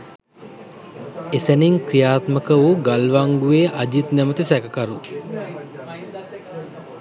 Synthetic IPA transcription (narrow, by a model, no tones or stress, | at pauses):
esæniŋkɾijaːt̪məkəʋuɡalʋaŋɡuʋeːʔad͡ʒit̪næmət̪isækəkaɾu